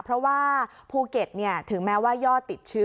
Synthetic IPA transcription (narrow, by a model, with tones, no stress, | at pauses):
pʰɾɔ˦˥waː˥˩pʰuː˥˩ke˨˩t̪̚ni˥˩ɐt̪ʰɯ˨˩˦ŋmɛː˦˥waː˥˩jɔː˥˩t̪ːi˨˩t̪̚t͡ɕʰɯ˦˥